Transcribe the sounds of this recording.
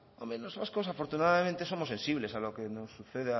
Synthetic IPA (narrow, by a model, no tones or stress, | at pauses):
omenosβaskosafo̞ɾt̪unaðamẽnt̪e̞so̞mose̞nsiβ̞le̞salokeno̞sːuθeðea